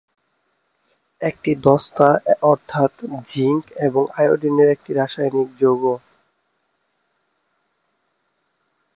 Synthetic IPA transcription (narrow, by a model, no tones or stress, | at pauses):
ek̚ʈid̪ɔst̪aɔɾt̪ʰat̪d͡ʑiŋkeboŋajoɖineɾek̚ʈiɾaʃajnik̚d͡ʑoɡo